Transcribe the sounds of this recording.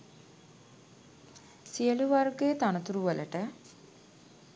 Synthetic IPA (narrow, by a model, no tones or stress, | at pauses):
siəluʋarɡejət̪anət̪uɾuʋələ̰ʈə